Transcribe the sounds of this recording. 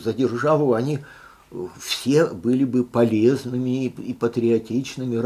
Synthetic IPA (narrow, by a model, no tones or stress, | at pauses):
zədʲɪrʐɑvˠəɐnʲi | fsʲe̞bɨlʲɪbɨpɐlʲeznɨmʲɪːpət̪ɾʲɪɐtʲit͡ɕnɨmʲɪr